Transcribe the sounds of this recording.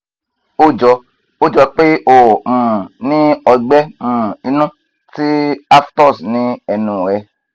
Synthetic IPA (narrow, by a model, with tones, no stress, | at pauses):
o˦d͡ʒɔ˧ | o˦d͡ʒɔ˧k͡pe˦o˨ũ˨nĩ˦ɔ˧ɡ͡bɛ˦ũ˦˨i˧˦nũ˦ | ti˦a˦ftɔ˦˨snĩ˨˦ɛ˧nũ˨ɾɛ˧